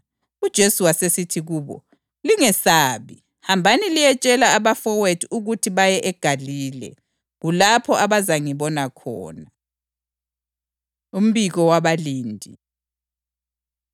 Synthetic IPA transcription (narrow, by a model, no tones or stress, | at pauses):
ud̥ʒ̥ʱesuwasesitʰiɣuːβɔ̰ | liŋɛsaːβi | hambʱanilijɛt͡ʃʼɛlaːβafɔwetʰuɣutʰiβajɛʔɛɡ̥ʱaliːlɛ̰ | ɣulapʰɔʔaβazaŋiβɔnakʰɔ̰ːna | um̩βiɣɔwaβaliːndʱi